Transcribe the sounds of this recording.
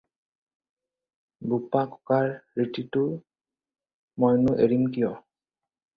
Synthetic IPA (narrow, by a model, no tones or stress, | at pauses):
bupakɔ̥kaɹːititʊ | mɔjnʊʔeɹimkijɔ